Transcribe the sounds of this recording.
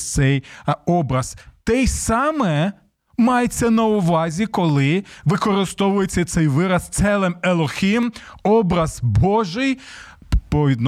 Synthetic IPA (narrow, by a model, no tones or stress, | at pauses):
t̪sɛjɔbɾɐzt̪ɛjsɑmɛ | mɑjet͡sʲːɐnɐʊʋɑzʲikɔlˠɪʋɪkɔɾɪst̪ɔʋʊjet͡sʲːɐt̪sɛjʋɪɾɐst̪sɛlˠɪmelˠɔxʲimɔbɾɐz̥bɔʒɪj | pɔʋʲid̪n